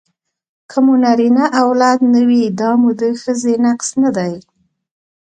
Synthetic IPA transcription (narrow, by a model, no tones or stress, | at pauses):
kʰəmunaɾinaʔawlɑd̪nəwid̪ɑmud̪əxəzenaqsnad̪aj